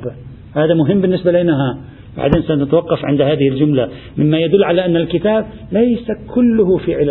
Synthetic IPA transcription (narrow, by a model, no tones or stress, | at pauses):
b | haːðamʊɦɪmːbɪnːɪsbalinaɦa | ba̰ʕd̪eːnsanat̪awɑqːɑfʕɪ̰nd̪haːðɪhɪld͡ʒʊmla | mɪmːajad̪ʊlːʕalaʔanːalkɪt̪aːb | lajsakʰʊlːʊhʊfiʕɪl